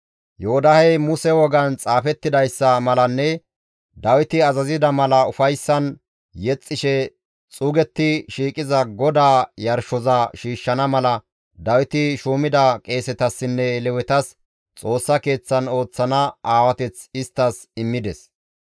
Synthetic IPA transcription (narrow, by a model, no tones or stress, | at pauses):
jɛɔd̪ɐhɛjmʊsɛwɔɡɐnt͡sʼaːfɛt̪ːɪd̪ɐjsːɐmɐlɐnːɛ | d̪ɐwɪt̪ɪɐzɐzɪd̪ɐmɐlɐʊfɐjsːɐn | jɛt͡sʼːɪʃɛ | t͡sʼuːɡɛt̪ːɪʃiːkʼɪzɐɡɔd̪aːjɐɾʃɔzɐʃiːʃːɐnɐmɐlɐ | d̪ɐwɪt̪ɪʃuːmɪd̪ɐkʼe̞ːsɛt̪ɐsːɪnːɛlɛwɛt̪ɐs | t͡sʼo̞ːsːɐke̞ːt͡sːɐno̞ːt͡sːɐnɐaːwɐt̪ɛt͡sɪst̪ːɐsɪmːɪd̪ɛs